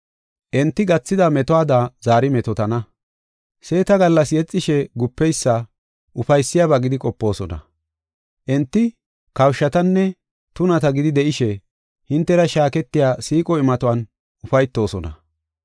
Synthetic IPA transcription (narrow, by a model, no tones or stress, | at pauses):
ʔɛnt̪ːɪɡɐt͡sːɪd̪ɐmɛt̪ɔaːd̪azaːɾɪmɛt̪ɔt̪ɐnɐ | se̞ːt̪ɐɡɐlːɐsjɛt͡sʼːɪʃɛɡʊpːɛjsːɐ | ʔʊfɐjsːɪjaβɐɡɪd̪ɪkʼɔpːo̞ːsɔnɐ̰ | ʔɛnt̪ːɪ | kɐwʃːɐt̪ɐnːɛ | t̪ʊnɐt̪ɐɡɪd̪ɪd̪ɛʔɪʃɛ | hɪnt̪ːɛɾɐʃaːkɛt̪ːɪjaːsiːkʼɔɪmɐt̪ʊwɐn | ʊfɐjt̪ːo̞ːsɔnɐ̰